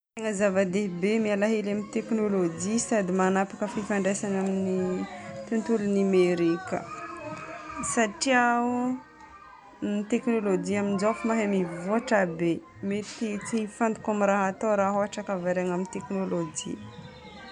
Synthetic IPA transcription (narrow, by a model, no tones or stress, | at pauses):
t̪eŋəzavad̪ebemialaɦelamint̪eknolod͡ʒisad̪imanapakəfifaɳɖ͡ʐejsanaminit̪unt̪ulunimeɾikə̰ | saʈ͡ʂiau | nit̪eknolod͡ʒiamind͡ʒofumaɦemivoaʈ͡ʂabe | met̪it͡sifand̪u̥kamiɾaɦat̪oɾaɦoaʈ͡ʂakavaɾaŋaminit̪eknolod͡ʒḭ